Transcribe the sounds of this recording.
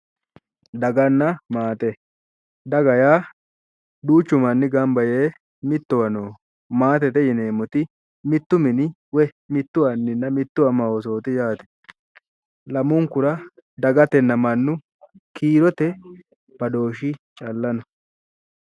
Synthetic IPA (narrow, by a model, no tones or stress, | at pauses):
d̪ɐɡɐnːɐmaːt̪ʼɛ | d̪ɐɡɐjaː | d̪uːt͡ʃːʊmɐnːɪɡɐmbɐjeː | mɪt̪ːɔwɐnoː | maːt̪ɛt̪ɛjɪne̞ːmɔt̪ɪ | mɪt̪ːʊmɪnɪ | wɛ | mɪt̪ːʊɐnːɪnːɐmɪt̪ːʊɐmɐwɔs̬o̞ːt̪ɪjaːt̪ɛ̥ | lɐmʊŋkʊɾɐ | d̪ɐɡɐt̪ɛnːɐmɐnːʊ | kʰiːɾɔt̪ɛ | bɐd̪o̞ːʃɪ | t͡ʃʼɐlːɐnɔ